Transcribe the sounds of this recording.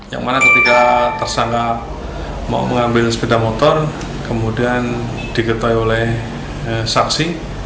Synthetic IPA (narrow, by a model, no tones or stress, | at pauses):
ja̰ŋmanakət̪ikat̪ərsaŋka | ma̰məŋambɪlspedamot̪ɔr | kəmudian | d̥ikət̪ajolɛh | əsaksi